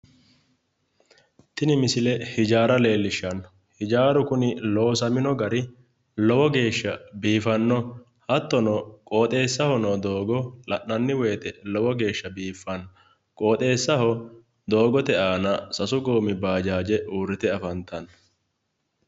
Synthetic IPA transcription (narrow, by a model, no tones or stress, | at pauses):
t̪ɪnɪmɪsɪlɛhɪd͡ʒaːɾɐle̞ːlːɪʃːɐnːɔ | hɪd͡ʒaːɾʊkʊnɪloɔsɐmɪnɔɡɐɾɪ | lɔwɔɡe̞ːʃːɐbiːfɐnːɔ | hɐt̪ːɔnɔkʼoːt̪ʼe̞ːsːɐhɔnoːd̪oːɡɔlɐʔɐnːɪwe̞ːt̪ɛlɔwɔɡe̞ːʃːɐbiːfːɐnːɔ | kʼo̞ːt̪ʼe̞ːsːɐhɔ | d̪o̞ːɡɔt̪ɛʔaːnɐsɐsʊɡoːmɪbaːd͡ʒaːd͡ʒɛʔuːrːɪt̪ɛɐfɐnt̪ɐn